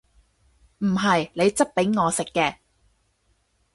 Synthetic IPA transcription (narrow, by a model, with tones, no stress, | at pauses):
m̩˨˩ɦɐ˨jle˨˧jt͡sɐ˥p̚pe˨˥jŋɔː˨˧sɪ˨kːɛː˧